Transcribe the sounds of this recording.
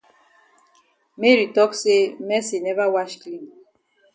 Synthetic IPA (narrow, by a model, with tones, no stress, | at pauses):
me˦ɾi˨tɔ˦kse˦mɛ˦si˨nɛ˦va˦wa˦ʃkli˦m